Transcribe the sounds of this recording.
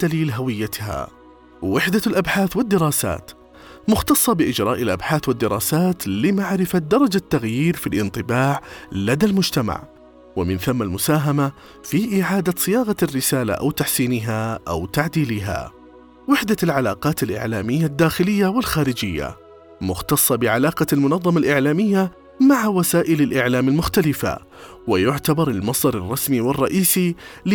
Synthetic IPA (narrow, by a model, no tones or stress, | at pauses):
d̪̥aliːlɦawɪjːat̪ha̰ | wɪħd̪alʔabħaːθwɪd̪ːɪɾˤɑːsa̰ːt̪ | mʊxt̪ɑsˤːɑbɪʔɪd͡ʒɾˤɑːʔalʔabħaːθwɪd̪ːɪɾˤɑːsaːt̪lɪmaʕɾɪfad̪ɑɾˤɑd͡ʒat̪ːaɣjiːɾfilʔɪnt̪ˤɨbaːʕlad̪almʊd͡ʒt̪ama̰ʕ | wɪmɪnθamːalmʊsaːɦama | fiʔɪʕaːd̪asˤɨjaːɣarːɪsaːla̰ʔa̰wt̪aħsiːnɪɦaʔa̰wt̪aʕd̪iːlɪɦa̰ | wɪħd̪alʕalaːqɑːt̪ɪlʔɪ̰ʕlaːmɪjːad̪ːaːxɪlɪjːawɪlxaːɾɪd͡ʒɪjːa̰ | mʊxt̪ɑsˤːɑbɪʕalaːqɑlmʊnɑðˤːɑmalʔɪʕlaːmɪjːa | maʕawasaːʔɪlɪlʔɪʕlaːmalmʊxt̪alɪfa̰ | wɪjʊʕt̪abɑɾˤɪlmɑsˤd̪ɑɾˤɑrˤːɑsmiwɪrˤːɑʔiːsil